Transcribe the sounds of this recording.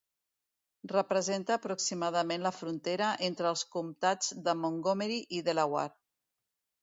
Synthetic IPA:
rəpɾəzent̪əːpɾuksimaðəmenləfɾunt̪eɾəʔent̪ɾəlˠskumt̪ad͡zd̪əmoŋɡomeɾiʔiðəlawa̰ɾ

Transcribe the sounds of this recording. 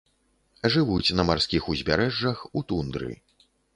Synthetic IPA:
ʐɨvut͡sʲnɐmarskʲixuzʲbʲaɾɛʐːɐxut̪und̪ɾɨ̰

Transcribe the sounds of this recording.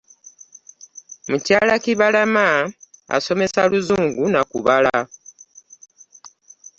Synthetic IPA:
mucaːlakiβalamaa̰so̞me̞saluzuːŋɡunakṵβala

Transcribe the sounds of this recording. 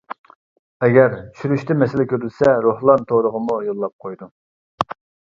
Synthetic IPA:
ɛɡʲɛɾt͡ʃʰyɾyʃt̪ɛmɛsɪlɛkʲʰøɾlsɛɾohlˠɑnt̪ʰoɾəʁəmujolˠːɑp̚qʰojd̪u

